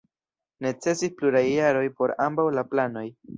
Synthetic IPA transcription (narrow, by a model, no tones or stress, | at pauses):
ne̞t͡se̞sispluɾajːaɾo̞jpo̞ɾambawlaplano̞j